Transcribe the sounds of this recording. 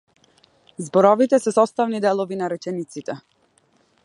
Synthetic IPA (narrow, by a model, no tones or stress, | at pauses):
zbɔɾɔvit̪ɛsɛsɔst̪avnid̪ɛlˠɔvinaɾɛt͡ʃɛnit̪sit̪ɛ